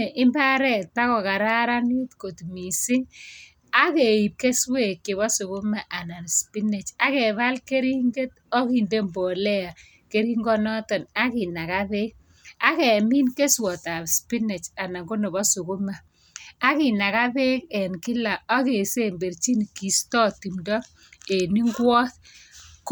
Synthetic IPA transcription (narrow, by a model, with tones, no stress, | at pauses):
ʔɪ˦mba˦ɾɛ˦˨ta˦kɔ˨ka˨ɾa˦ɾa˦ne˦tko˨tmi˨sɪ˦ŋ | a˦ke˨i˨p̚ke˦swe˨kːɪ˨βɔ˦sʊ˨kʊ˦ma˦ʔa˨na˨n˨spi˦ne˨t͡ʃa˦kɛ˨βa˦lke˦ɾi˦ŋɡe˦t | ɔ˦ki˨nde˦mbɔ˨lɛ˦a˨ | ke˦ɾi˦ŋɡɔ˦nɔ˦tɔ˨na˦kɪ˨na˨ka˦βe˦k̚ | a˦kɛ˨mi˦nke˦swɔ˨ta˨pspi˦ne˨t͡ʃa˨na˨ŋɡʊ˦nɔ˨bɔ˦sʊ˨kʊ˦ma˨ | a˦kɪ˨na˨ka˦be˦kɛ˨nkɪ˦la˨ɔ˦ke˨se˦mbe˨rt͡ʃi˦n˨ki˨stɔ˦ti˨mdɔ˦ | e˨ni˦ŋɡwɔ˦tk